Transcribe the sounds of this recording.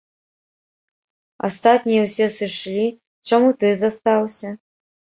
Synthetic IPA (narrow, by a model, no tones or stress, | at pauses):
a̰st̪at̪̚ʲnʲijɛwsʲɛsɨʂlʲi | t͡ʂamut̪ɨzast̪awsʲɐ